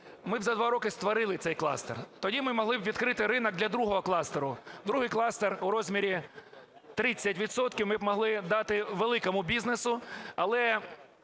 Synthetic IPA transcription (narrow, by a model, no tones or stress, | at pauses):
mɪbzɐd̪ʋɑɾɔkɪst̪ʋɐɾɪlˠɪt̪sɛjklˠɑ̰st̪ert̪ɔdʲimɪmɔɦlˠɪbʋʲid̪kɾɪt̪ɪɾɪnɐɡ̚d̪lʲɐd̪ɾuɦɔɦɔklˠɑst̪eɾʊd̪ɾuɦɪjklˠɑst̪eruɾɔzʲmʲiɾʲi | t̪ɾɪt͡sʲːɐtʲʋʲid̪sɔt̪kʲiwmɪbmɔɦlˠɪd̪ɑt̪ɪʋelˠɪkɔmʊbʲiznesʊɐlˠɛ